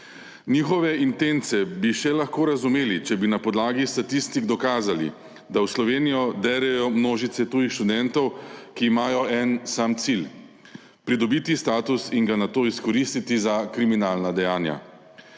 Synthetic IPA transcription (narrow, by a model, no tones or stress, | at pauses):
niːxɔʋɛint̪ent̪sɛbiʃɛlaxkoːɾazumeːlit͡ʃɛbinapɔd̪laːɡist̪at̪ist̪iɡd̪ɔkaːzalḭ | d̪awslɔʋeːnijɔd̪ɛːɾɛjɔmnoːʒit̪sɛt̪uːjixʃt̪ud̪ɛnt̪ɔwkiːmaːjɔʔɛnsamt̪sil | pɾid̪ɔbiːt̪ist̪aːt̪usiŋɡanat̪oːiskɔɾist̪it̪izakɾiminaːlnad̪ɛjaːnja̰